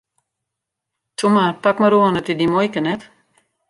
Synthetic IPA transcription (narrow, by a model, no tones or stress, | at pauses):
tumapakməɾoənətidimɔjkənɛt